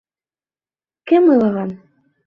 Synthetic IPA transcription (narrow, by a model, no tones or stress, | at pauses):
kɘmɤ̆lˠɤ̆ʁɑn